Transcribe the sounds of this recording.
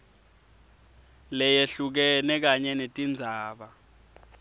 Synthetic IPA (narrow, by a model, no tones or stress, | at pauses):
lɛjeɬuk̬ɛnɛk̬aɲɛnetʼind͡zʱaːɓa